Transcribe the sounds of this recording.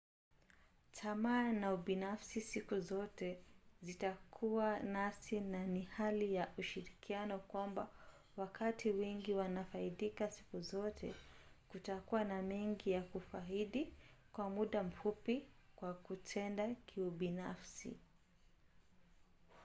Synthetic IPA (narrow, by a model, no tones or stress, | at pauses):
tʰamaːnauɓinafsisikuzɔtɛzitakʰuwanasinanihalijaʔuʃiɾikianɔkwamba | wakatʰiwɛŋɡiwanafaiɗikasi̥kuzɔtʰɛ̰kutakuwanamɛŋɡijakufaiɗikwamuɗam̩fupikwakutʰɛndakʰiuɓinafsḭ